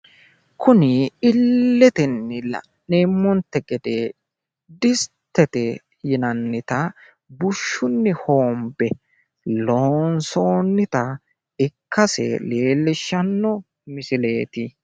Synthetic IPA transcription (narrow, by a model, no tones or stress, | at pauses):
kʰʊnɪɪlːɛt̪ɪnːɪlɐ̰ | neːmːɔnt̪ːɛɡɛd̪e | d̪ɪst̪ːɛt̪ɛ | jɪnɐnːɪt̪ɐ | bʊʃːʊnːɪho̞ːmbɛ | loːnso̞ːnːɪt̪ɐ | ɪkːɐsɛ̰leːlːɪʃːɐnːɔ | mɪsɪle̞ːt̪ɪ